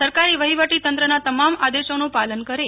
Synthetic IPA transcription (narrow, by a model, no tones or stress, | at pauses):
əɾkaɾiʋəɦiʋəʈit̪ə̃nt̪ɾənat̪əmamad̪eʃonũpalənkəɾe